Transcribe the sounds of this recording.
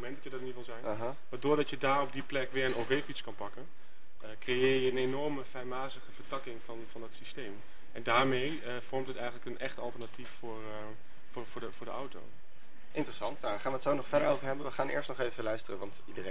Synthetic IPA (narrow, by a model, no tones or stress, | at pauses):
momɛndɑjədɑdnitʋɪlˠzɛjnaɦa | ʋadʊːɹdɑtjədaːɹɔb̚diplɛkʋɪːɹənovejfitskɑnpɑkən | əkrejɪːɹjəənenɔɹməfɛjmaːzəχəvəɹtɑkɪŋvɑnvɑndɑtsistejm | ɛndaːɹmej | v̥ɔɹmtɦətɛjχənləkənʔɛχtɑ̰lˠtəɹnatiffʊːɹ | vʊːvʊːdəvʊːɹdəɑwto̰w | ʔɪntərəsɑntjaχaːnʋətsownɔχfɛdəɹo̰wvəɹɦɛbənʋəχaːnʔɪ̰ːɹstnɔχejvəəlœɥstərənʋɑntidəre